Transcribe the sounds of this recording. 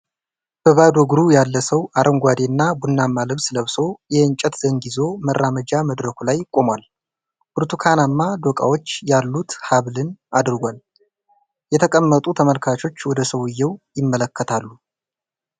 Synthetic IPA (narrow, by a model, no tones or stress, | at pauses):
b̥əβad̪ɔɡɾujalːəsəwaɾʔəŋɡʷwad̪enːabunːamːaləβsɨləβso̞jɛɨnt͡ʃʼɛt̪z̥əŋɡizo̞mərːaməd͡ʒaməd̪ɾəkʰulajkʼo̞mwal | bɨɾt̪ʰukʰanamːad̪okʼa̰wo̞t͡ʃːjalːut̪haβlɨnad̪ɨɾɡʷal | jɛt̪ʰəkʼəmːət̪ʼut̪ʰəməlkʰat͡ʃo̞t͡ʃːwɔd̪əsəwɨjːɛwjɪmːələkːət̪ʰalːu